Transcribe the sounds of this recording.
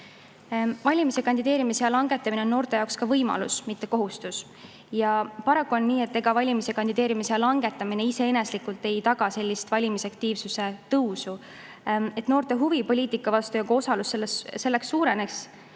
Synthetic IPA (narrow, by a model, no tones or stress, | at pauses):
vɑlʲimise̞kɑnd̪id̪e̞ːɾimise̞jɑlɑŋɡ̥e̞t̪ːˑɑmineonːo̞ːrt̪e̞jɑokskɑvɤjmɑ̰lṵsmit̪ːe̞ko̞ɦust̪us | jɑpɑɾɑkːˑuo̞nːiːe̞t̪ːe̞ɡ̥ɑvɑlʲimise̞kɑnd̪̥id̪e̞ːɾimisejɑlɑŋɡ̥e̞t̪ːˑɑmine̞ise̞ene̞slikult̪ːˑe̞jt̪ɑɡ̥ɑse̞lʲːist̪vɑlʲimisɑkt̪iːvsuse̞t̪ɤwsu | e̞t̪ːno̞ːrt̪e̞ɦuvipo̞lʲiːt̪ːˑikːˑɑvɑst̪ujɑɡo̞sɑlusːelːesse̞lːeksːuːɾe̞neks